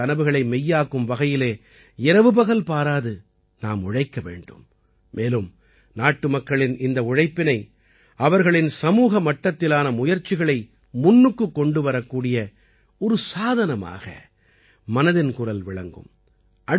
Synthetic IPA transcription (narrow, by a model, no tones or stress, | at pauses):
ɐnɐʋɯɣɐɭɐɪmɛjːaːkɯmʋɐɣɐjɪleː | ɪɾɐʋɯbɐɣɐlpaːɾaːðɯ | naːmʊɻɐɪkːɐʋḛːɳɖɯ̰mː | eːlɯm | naːʈːɯmɐkːɐɭɪnɪnd̪ɐʊɻɐɪpːɪnɐɪ | ɐʋɐɾɣɐɭɪnsɐmuːɣɐmɐʈːɐt̪ːɪlaːnɐmʊjɐɾt͡ʃːɪɣɐɭɐɪ | mʊnːɯkːɯkːɔɳɖɯʋɐɾɐkːuːɽɪjɐ | ɔɾɯsaːðɐnɐma̰ːɣɐ̰ | mɐnɐðɪnkʊrɐlʋɪɭɐŋɡɯ̰m | ʔɐɽ